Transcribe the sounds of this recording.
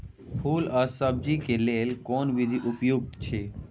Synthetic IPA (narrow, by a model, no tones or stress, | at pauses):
pʰuːləsəb̚d͡ʒikeleːlkoːnʋid̪ʱiʔupjuɡ̚t̪t͡ʃʰe